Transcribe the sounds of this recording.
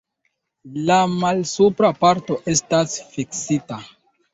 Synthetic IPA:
lamalsupɾapaɾto̞ʔe̞stasfiksita

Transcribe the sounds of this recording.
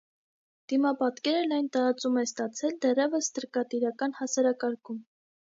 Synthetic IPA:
d̪̥imɑpɑt̪kɛɾənɑjnt̪ɑɾɑt͡sumɛst̪ɑt͡sʰɛld̪ɛrɛvəst̪əɾkɑt̪iɾɑkɑnhɑsɑɾɑkɑɾkum

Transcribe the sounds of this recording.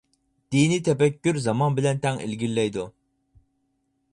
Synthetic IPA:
d̪̥init̪ʰɛpɛkʲːyɾzɑmɑnbɪlɛnt̪ʰɛŋḭlɡʲilːɛjd̪u

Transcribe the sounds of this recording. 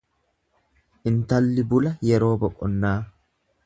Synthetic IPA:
ʔɪnt̪ɐlːɪbʊlɐjɛɾo̞ːbɔkʼɔnːaː

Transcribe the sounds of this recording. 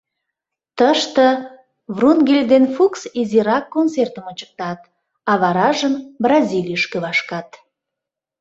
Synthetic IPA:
t̪əʃt̪ə | vrunɡelʲd̪enfuksiziɾɑkːont͡sert̪əmənt͡ɕə̥k̚t̪ɑt̪ | ɑβɑɾɑʒəmbrɑzʲilʲijəʃkøβɑʃkɑt̪

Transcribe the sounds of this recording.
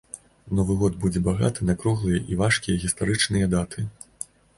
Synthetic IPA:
nɔvɨɣɔd̪bud͡zʲɛbaɣa̰t̪ɨnakɾuɣlˠɨjɐʔivaʂkʲijɐɣʲist̪aɾɨt͡ʂnɨjɐd̪at̪ʰɨ

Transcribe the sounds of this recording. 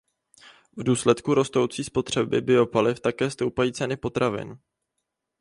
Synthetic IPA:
vduːslɛt̪kuɾo̞st̪owt͡siːspo̞t̪r̝̥ɛbɪ̰bɪo̞palɪft̪akɛːst̪o̞wpajiːt͡sɛnɪpo̞t̪ɾavɪ̰n

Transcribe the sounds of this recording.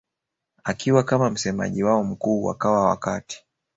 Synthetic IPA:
akiwakamam̩sɛma̰ʄiwaɔm̩kuːwa̰kawawa̰kati̥

